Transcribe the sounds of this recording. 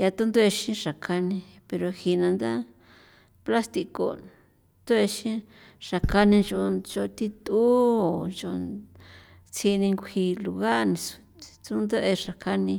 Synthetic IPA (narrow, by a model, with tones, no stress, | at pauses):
ja˧t̪u˦nd̪u˦e˧ʃĩ˦ʂa˨kʰa˧nĩ˧ | pe˧ɾo˧hi˧nã˧nd̪a˦ | pla˦st̪i˧ko̰˨ | t̪u˦e˧ʃĩ˦ | ʂa˨ka˧nĩ˧nʒo˧ʒo˧t̪i˦t̪uː˦o˨ʒo˧ | t͡si˧nĩ˧ŋɡʷi˧lu˧ɣa˦˨nĩ˧su̥˧ | t͡su˦nd̪e˦ʔe˧ʂa˨ka˦nĩ˧